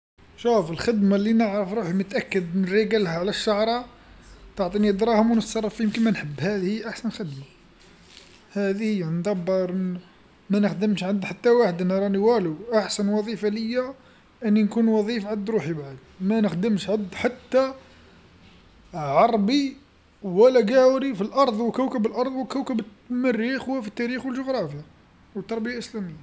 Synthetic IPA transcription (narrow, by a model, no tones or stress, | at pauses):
ʃufəlxəd̪malːinəʕɾəfɾuħimət̪ʔækːəd̪nəɾiɡælhæʕlæʃːɑʕɾˤɑ | t̪ɑʕt̪ˤiniəd̪ɾˤɑhʊmwnət̪sɑrˤːɑfjəmkənmænħəbːhæd̪hiʔaħsənxəd̪ma | hæd̪ihəjːænd̪ˤɑbːəɾˤ | mænəxd̪əmʃʕəd̪ħat̪ːawaħəd̪nɾˤɑniwæluʔaħsənwɑðˤifaləjːæ | ʔənːinkunwɑðˤifʕad̪ɾuħibaʕd̪ | mænəxd̪əmʃʕad̪ːħat̪ːa | ʕɑɾˤbi | wəlæɡæwɾifilʔɑɾˤðˤwkəwkəbəlʔɑɾˤðˤwəkəwkəbət̪ | mərːixhʊwːæfit̪ːæɾixwəlʒʊɣɾˤɑfəja | wt̪ːɑɾˤbəjaʔəslæməjːa